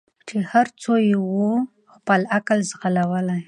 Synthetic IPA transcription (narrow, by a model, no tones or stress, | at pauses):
t͡ʃehaɾt͡sojewu | xpəlaklzɣalawəlaj